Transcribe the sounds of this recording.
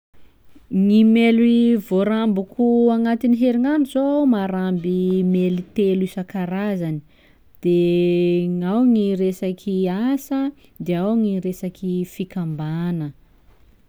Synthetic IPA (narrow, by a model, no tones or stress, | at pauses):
ŋimelivoɾambukʰuaŋat̪iniɦeɾiŋanizomaɾambimelit̪elisakaɾazani̥ | d̪̥e | ŋawŋiɾesakʰiasə | d̪eawŋiɾesakʰifikambanə